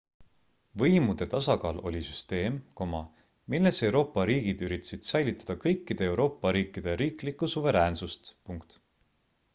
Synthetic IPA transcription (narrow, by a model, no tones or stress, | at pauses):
vɤjmud̪̥e̞t̪ɑsɑkɑːlo̞̰lʲisyst̪e̞ːmko̞mɑ | milːe̞se̞wɾo̞ːpːˑɑɾiːɡ̥id̪̥yɾit̪ːˑɑsid̪̥sæjlʲit̪ːˑɑ̥d̪̥ɑkɤjkːˑid̪̥e̞ewɾo̞ːpːˑɑɾiːkːˑid̪̥e̞ɾiːklikːˑusuve̞ɾæːnsust̪puŋkt̪